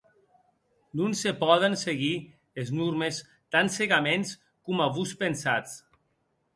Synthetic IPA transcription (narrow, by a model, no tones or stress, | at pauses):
nunsepɔðenseɣi | eznuɾmes | t̪anseɣamens | kumaβuspensat͡s